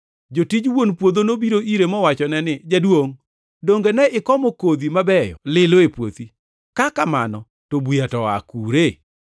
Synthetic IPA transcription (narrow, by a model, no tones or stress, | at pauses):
d͡ʒotid͡ʒwonpwod̪onobiɾoʔiɾemɔwat͡ʃɔnɛnɪd͡ʒadwoŋ | doŋɡenɛɪkɔmɔkod̪imabɛjɔ̰lɪloepwo̰t̪i | kakamanɔ | tobwijatɔa̰kuɾe